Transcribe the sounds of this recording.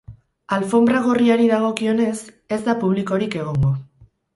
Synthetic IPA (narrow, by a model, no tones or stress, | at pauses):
alfo̞mbɾaɣ̞o̞riaɾiðaɣ̞o̞kio̞ne̞s | e̞zd̪apuβ̞liko̞ɾike̞ɣ̞o̞ŋɡo̞